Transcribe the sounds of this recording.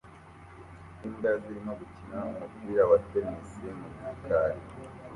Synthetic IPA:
iːndaziɾimoɡucinaumukiɾaβatenesemumukaːɾi

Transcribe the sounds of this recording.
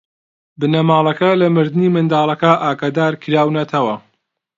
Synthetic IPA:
bɨnɐmaːlˠɐkɐlɐmɨɾd̪niːmɨnd̪aːlˠɐkɐʔaːɡad̪aːɾkʰɨɾaːwnɐt̪ʰɐwɐ

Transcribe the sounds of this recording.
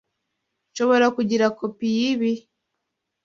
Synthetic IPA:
ʃo̞βo̞ɾakuɟiɾakopijiβi

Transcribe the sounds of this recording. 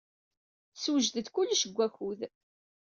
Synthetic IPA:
swəʒd̪əd̪kulːʃəɡʷːæxuð

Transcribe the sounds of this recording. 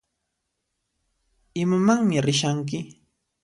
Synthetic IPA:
ɪmamaŋmɪɾɪʃaŋk̬ɪ

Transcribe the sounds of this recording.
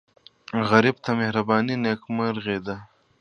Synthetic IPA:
ɣɐɾib̚t̪ɐmehɾɐbɑːninekmɐɾɣeːd̪a

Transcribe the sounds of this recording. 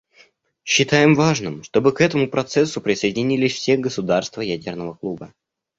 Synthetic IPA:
ɕːɪt̪ajɪmvaʐnɨmʂt̪o̞bɨkɛt̪əmʊpɾɐt̪sɛsːʊpɾʲɪsəjɪdʲɪnʲilʲɪsʲfsʲeɡəsʊd̪arst̪vəjædʲɪrnəvəklˠubə

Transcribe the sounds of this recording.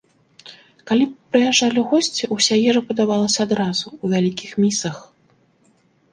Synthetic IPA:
kalʲipɾɨjaʐalʲiwɣɔsʲt͡sʲiʔusʲajɛʐɐpɐd̪avalˠɐsʲɐad̪ɾazuːvʲalʲikʲixmʲisɐx

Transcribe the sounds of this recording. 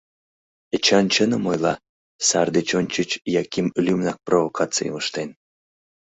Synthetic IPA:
ət͡ɕɑnt͡ɕənəmojlˠɑ | sɑrd̪et͡ɕonʲt͡ɕət͡ɕjɑkʲimlʲymnɑk̚provokʰɑt͡sɨ̰j̰məʃt̪en

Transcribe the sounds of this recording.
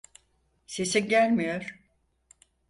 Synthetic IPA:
se̞siɟælʲmijoɾ̥

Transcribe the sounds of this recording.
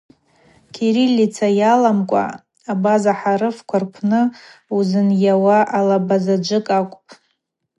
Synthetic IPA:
kʰeɾilʲːit͡sʰajalamkʷʼa̰ | abazaħaɾɨfkʷʰarkʷʰnɨuzɨnjawaʔalabazad͡ʒʷɨkʼakʷʼpʼ

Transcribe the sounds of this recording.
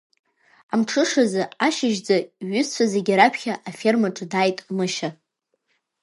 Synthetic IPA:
amʈ͡ʂʰɨʂazɨaʃɪʒd͡zaɥʏst͡sʷʰazeɡʲaɾapʰχʲaʔafe̞rmaʈ͡ʂʼɨdaːjtʼmɨʃa

